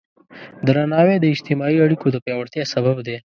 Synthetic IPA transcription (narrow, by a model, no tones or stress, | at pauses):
d̪ɾanɑwed̪əɪd͡ʒt̪ɪmɑiaɽikod̪əpjɑwɐɽt̪jɑsɐbabd̪e